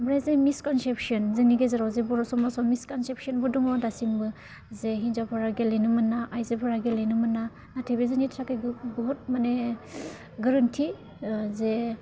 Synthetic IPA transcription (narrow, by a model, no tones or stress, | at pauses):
bɾezemiskɔnsep̚siɔnzɯniɡezaɾawzebɔɾɔsɔmɔsɔmiskɔnsep̚siɔnbɯdɔŋɔdasimbɯ | zeɦinzapʰaɾaɡelejnɯmɯnːaʔajzepʰaɾaɡelejnɯmɯnːa | natʰebezɯnitʰɾakajɡɡɔɦut̚mane | ɡaɾantʰi | ze